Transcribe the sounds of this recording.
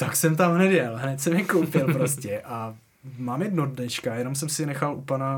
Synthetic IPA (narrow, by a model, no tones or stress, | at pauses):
t̪aksɛmt̪amɦnɛd̪jɛlɦnɛt̪sɛmjɛkowpɪlpɾoscɛʔa | maːmjɛdnodnɛʃkajɛno̞msɛmsɪnɛxalʔupana